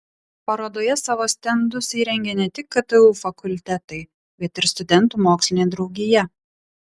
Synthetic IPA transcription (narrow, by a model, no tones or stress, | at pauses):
pɐɾoːd̪oːjɛsɑːʋoːsʲt̪ʲɛnd̪ʊsiɾʲɛŋʲɡʲɛnʲɛt̪ʲɪkːɐt̪ɨuːfɐkʊlʲt̪ʲɛt̪ɐɪ | bʲɛt̪ɪɾst̪ʊd̪ʲɛnˑt̪uːmoːksʲlʲɪnʲed̪ɾɒʊɡʲɪjɛ